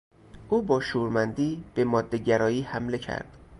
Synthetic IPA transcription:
ʔuːbɒːʃuːɾmænd̪iːb̥e̞mɒːd̪ːe̞ɟæɾɒːjiːhæmle̞cʰæ̰ɾd̪̥

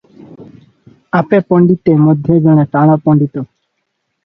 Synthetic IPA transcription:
apepɔɳɖit̪emod̪ʱjed͡ʑoñet̪aɽ̃apɔɳɖit̪o

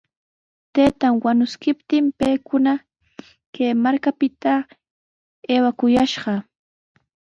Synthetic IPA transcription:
t̪ejt̪aŋwanʊskɪpt̪ɪmpejkʊna | keːmaɾkapɪt̪a | eːwakʊjaʃɢɑ

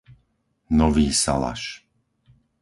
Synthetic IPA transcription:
nɔʋiːsa̰la̰ʃ

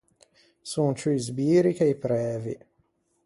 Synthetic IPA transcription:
sunt͡ʃuzbiːɾikejpɾɛːvḭ

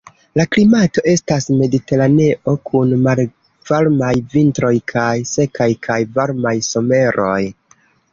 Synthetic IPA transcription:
laklimato̞ʔe̞stasme̞dite̞ɾane̞ʔo̞kʰunmal | v̥aɾmajvintɾo̞jkʰajse̞kajkʰajvaɾmajso̞me̞ɾʔo̞j

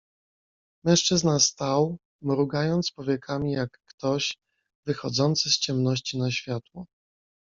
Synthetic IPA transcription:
mɛ̃ʂt͡ʂɘznast̪aw | mɾuɡajɔnt̪spɔvʲjɛkʰamʲijakːt̪ɔɕ | vɘxɔd̪zɔnt̪sɘst͡ɕɛmnɔɕt͡ɕinaɕfʲjat̪wɔ

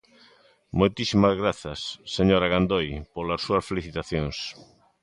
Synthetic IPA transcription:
mojt̪isimazɣɾaθɐsːeɲoɾaɣand̪ojpolasːuɐsfeliθit̪aθjoŋs

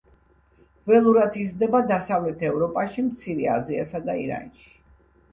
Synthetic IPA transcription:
vɛlˠuɾat̪ʰizd̪ɛbad̪asavlɛt̪ʰɛvɾɔpʼaʃimt̪sʰiɾɛa̰zia̰sad̪aḭɾa̰nʃi̥

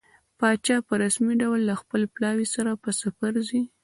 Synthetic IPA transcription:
pɑt͡ʃɑpəɾasmiɖawlːaxpəleplɑwisaɾapəsafaɾzi

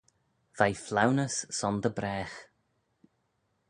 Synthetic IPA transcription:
v̥ajflawnəsːɔnðəbɾɛːx

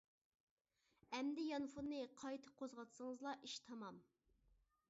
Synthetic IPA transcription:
ɛmd̪ɪjɑnfunːɨqʰɑjt̪ʰɨ̥qʰozʁɑt̪sɨŋəzlˠɑʔiʃt̪ʰɑmɑm

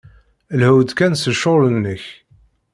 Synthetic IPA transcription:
lhəwd̪kænsəʃolənːəç

